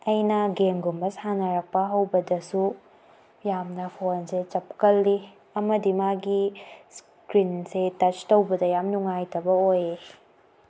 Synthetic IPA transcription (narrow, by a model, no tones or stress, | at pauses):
ɐjnɐɡeŋɡumbɐsanɐɾɐk̚pɐɦɐwbɐdɐsu | jamnɐpʰonset͡ʃɐp̚kɐlːi | ɐmɐdimaɡis | kɾinsetɐt͡ʃtowbɐdɐjamnuŋajtʰɐbɐoje